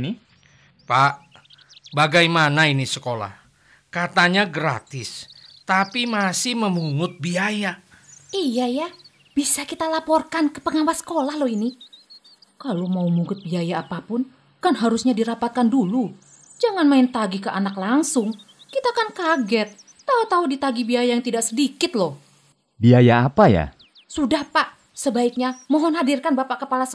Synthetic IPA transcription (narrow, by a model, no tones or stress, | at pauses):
ni | paʔ | baɡajmanainisəkola̰h | kat̪aɲaɡɾa̰t̪ɪst̪apimasɪhməmuŋʊt̪̚biajaijaja | b̥isakit̪alapɔrkankəpəŋawasə̥kolahlɔhini | kalomaumuŋʊt̪̚biajaːpapʊn | kanɦaɾusɲadiɾapat̪̚kandulu | d͡ʒaŋanmaɪnt̪aɡikəʔanaklaŋsʊŋ | kit̪aːkankaɡɛt̪̚ː | aut̪audit̪aɡibiajajaŋt̪idaʔsədikɪt̪̚lɔh | biajaːpaja̰ | sudahpaʔ | səbaɪk̚ɲamɔɦɔnɦadirkanbapaʔkəpalas